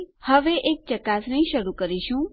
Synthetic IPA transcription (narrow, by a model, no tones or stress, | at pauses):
həʋeʔek̚t͡ʃəkasnəĩʃəɾukəɾiʃũ